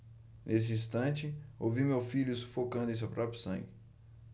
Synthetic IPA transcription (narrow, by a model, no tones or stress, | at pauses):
nʔesɪĩst̪ɐ̃t͡ʃɪowvimewfiʎʊsu̥fokɐ̃nd̪ʊẽs̬ewpɾɔpɾʊsɐ̰̃ŋɡɪ